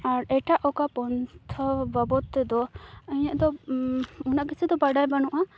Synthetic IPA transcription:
aɾɛʈaʔɔkapɔnt̪ʰɔbabɔt̪ːɛd̪ɔɛɲaʔd̪ɔ | unaʔkɛsɛd̪ɔbaɖajbanɔʔa

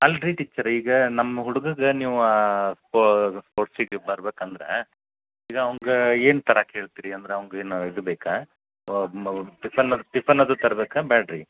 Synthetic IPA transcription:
ɐlɾiʈiːt͡ʃːɐɾiːɡɐnɐmːɐɦuɽuɡɐɡɐniːʋuaːspospoːʈsiɡebɐɾbeːkɐnd̪ɐɾḛ | iːɡɐːʋɐŋɡeeːnt̪ɐɾakɦeːɭt̪iːɾiɐnd̪ɐɾeɐʋɐŋɡeːnid̪beːka | ʈipɐnːɐd̪ʈipʰɐnːɐd̪ut̪ɐɾɐbeːkaːbaːɖɾi

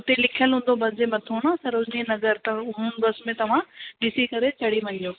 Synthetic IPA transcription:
ʊt̪elɪkʰijəlɦũːnd̪obɐsd͡ʑemɐt̪ʰoːnãːsɐɾʊd͡ʑninɐɡəɾt̪ɐʊɦənɪ̆bɐsmẽt̪ɐʋ̤ãɖɪsikɐɾet͡ɕɐɽ̤iʋɐ̃joː

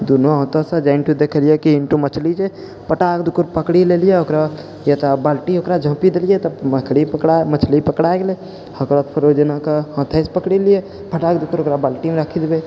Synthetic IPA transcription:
d̪unoɦɔ̃ːt̪ɔsə̃d͡ʒaɪnʈud̪ekʰəlijekiɪɳʈumət͡ʃʰlid͡ʒe | pəʈak̚d̪ukəɾpəkɽilelijeokɾa | jat̪abalʈiokɾad͡ʒʱə̃pid̪elijet̪əməkʰɽipəkɽamət͡ʃʰlipəkɽaeɡele | həkɾət̪pʰəɾod͡ʒənakaɦə̃t̪ʰespəkɽilije | pʰəʈak̚d̪ukəɾokɾabalʈimeɾakʰid̪be

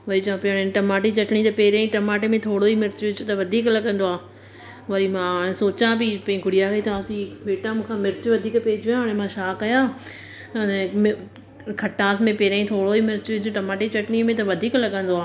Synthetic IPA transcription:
ʋɐɾit͡ʃãpɪəɽ̃ɪʈɐmaːʈit͡ʃɐʈɽ̃it̪ɐpeːɾãĩʈɐmaːʈemẽt̪ʰoːɽoimɪɾt͡ɕʋɪd͡ʑʊt̪ɐʋɐd̪ʱiːklɐɠə̃nd̪oaː | ʋɐɾimãɽ̃ẽsoːt͡ɕãbɪpɐ̃ĩɡʱʊɽijakɐit̪ɐʋãt̪ibeːʈamũːkʰãmɪɾt͡ɕʋɐd̪ʱiːkpeːɪd͡ʑjãɦʊɽ̃ẽmãʃaːkɐjãː | ɐnɛ̃m | kʰɐʈːãːsmẽpeːɾãːĩt̪ʰoːɽoimɪɾt͡ʃʋɪd͡ʑʊʈɐmaːʈet͡ɕɐʈɽ̃imẽt̪ɐʋɐd̪ʱiːklɐɠə̃nd̪oaː

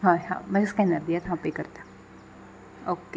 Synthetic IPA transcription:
ɦãɦã̰mɛɪskɛnəɾd̪ijat̪ʰapekɐɾt̪ḁ | oːke

